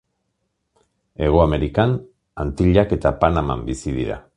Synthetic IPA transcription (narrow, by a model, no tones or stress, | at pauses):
e̞ɣ̞oame̞ɾikan | ant̪iʎake̞t̪apanama̰mbisiðḭɾa̰